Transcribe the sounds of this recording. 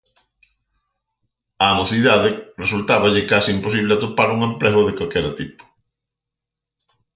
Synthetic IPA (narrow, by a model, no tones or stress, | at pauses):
anoθiðaðɪresult̪aβaʎɪkasiimpos̬iβlɪat̪opaɾuŋemplɛɣoðekalkɛɾat̪ipo̥